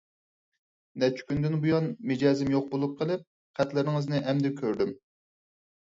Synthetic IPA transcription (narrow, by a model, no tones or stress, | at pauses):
nɛt͡ʃʰy̥kʲynd̪ɪnbujɑnmɪd͡ʒɑːzɪmjoq̚bolˠup̚qʰəlˠɪp̚ | qʰæt̪lɪɾnɪŋɨznɪʔɛmd̪ɪkʲʰøɾd̪ym